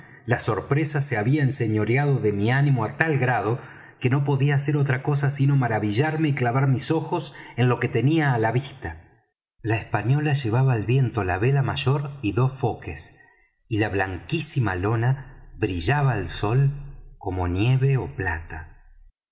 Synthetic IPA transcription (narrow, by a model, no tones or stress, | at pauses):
laso̞ɾpɾesaseaβiaense̞ɲo̞ɾjað̞oðemianimo̞at̪alɣɾað̞o | keno̞p̬o̞ðiaːse̞ɾot̪ɾako̞s̬asino̞maɾaβiʒaɾme̞iklaβaɾmiso̞xo̞se̞nlo̞ke̞t̪eniaːlaβist̪a | laehspaɲo̞laʒe̞β̞aβaːlβje̞nt̪o̞la̰βelamaʒo̞ɾiðo̞sfo̞kes | ilaβlaŋkisimalo̞naβɾiʒaβaːlso̞lkomo̞nje̞βeoplat̪a